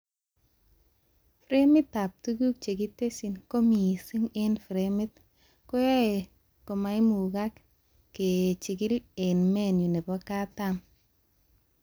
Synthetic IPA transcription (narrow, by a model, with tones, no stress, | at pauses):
fɾe˦mi˦tːa˨p̚tu˦ɡu˦k̚t͡ʃe˨ki˦te˦si˨nko˦mi˨si˦ŋe˦nfɾemɪ˦t̪̚ | ko˦ja˦e˨ | ko˨ma˦jmu˨ɡa˦k | ke˨t͡ʃi˨ɡi˦le˨nme˦nju˨ne˨bɔ˦ka˦ta˦m